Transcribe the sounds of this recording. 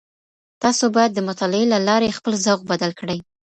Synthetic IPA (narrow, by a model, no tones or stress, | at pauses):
t̪ɑsobɑjad̪ːəmʊt̪ɑlɪelalɑɾexpəlzawɣbad̪alkɽəj